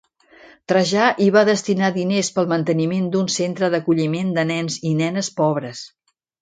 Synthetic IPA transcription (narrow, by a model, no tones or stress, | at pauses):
t̪ɾəʒaʔiβaðəst̪inaðinespəlˠmənt̪ənimend̪unsent̪ɾəðəkuʎimend̪ənɛnzinɛnəspɔβ̞ɾəs